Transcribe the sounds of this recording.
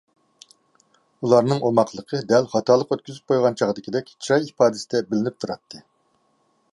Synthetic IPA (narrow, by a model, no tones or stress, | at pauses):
ulˠɑɾnɨŋʔomɑqʰlˠəqʰəd̪ɛlχɑt̪ʰɑːlˠəqøt̪̚kʲyzyp̚qʰojʁɑnt͡ʃʰɑʁd̪ɪkʲʰid̪ɛkʲt͡ʃʰɾɑjipɑːd̪ɨsɪd̪ɛbɪlɪnɪp̚t̪ʰuɾɑt̪ʰːɨ